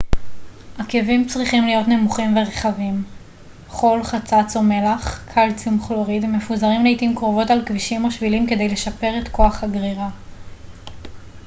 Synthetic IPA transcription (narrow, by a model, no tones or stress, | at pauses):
ʔakevimt͡sʁiχimlijo̞tne̞muχimveʁeχavim | χo̞lχat͡sat͡some̞laχkʰalt͡simχloʁid̪me̞fuzaʁimleitimkʁovo̞talkviʃimo̞ʃvilimke̞de̞jle̞ʃape̞ʁe̞tko̞aχhaɡʁiʁa